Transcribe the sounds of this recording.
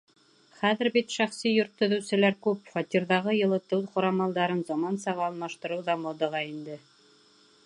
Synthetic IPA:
χæðɘ̆ɾbit̪ʃæχsijŏɾt̪ʰːɵ̆ðɘ̆wsɘ̆læɾkʉpfɑt̪ʲiɾðɑʁɤjɤ̆lˠɤt̪ɤwqŏɾɑmɑlˠd̪ɑɾɤnzɑmɑnsɑʁɑːlˠmɑʃt̪ɤ̆ɾɤwðɑmod̪ɤ̆ʁɑind̪ɘ

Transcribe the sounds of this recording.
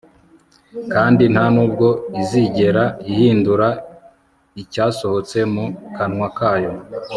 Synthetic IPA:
kaːndin̥hanuːbɡo̞iziɟe̞ɾaihiːnduɾa | icaːso̞ho̞t͡se̞mukanŋwakaːjo̞

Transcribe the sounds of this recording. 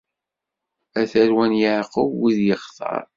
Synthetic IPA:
æθæɾwænjəʕqəvwiðjəχθˤɑ̰ɾˤ

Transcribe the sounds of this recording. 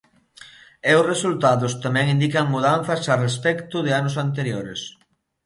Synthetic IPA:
eʊsresult̪aðʊst̪amɛ̃ŋind̪ikaŋmuðanθɐsarespɛkt̪ʊðɪanʊsant̪eɾjoɾes

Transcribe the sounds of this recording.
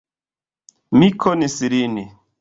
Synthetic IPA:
mikʰonisiɾini

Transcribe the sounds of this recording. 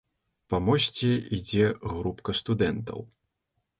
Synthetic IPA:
pɐmɔsʲt͡sʲiid͡zʲɛɣɾupkɐst̪ud̪ɛnt̪ɐ̰w

